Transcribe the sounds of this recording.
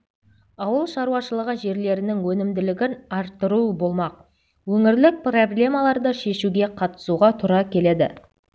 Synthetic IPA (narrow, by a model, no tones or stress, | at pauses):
ɑwəlˠʃɑɾuwɑʃəlˠəʁəʒe̞ɾle̞ɾɪnɪŋwɵnɪmd̪ɪlɪɡʲɪnɑɾt̪ːəɾubo̞lˠmɑq̚ | wɵŋɪɾlɪk̚pro̞blʲe̞malˠɑɾd̪əʃe̞ʃuɡʲe̞qʰɑt̪ə̥suʁɑt̪ʰʊɾɑkʲʰe̞le̞d̪ɪ̰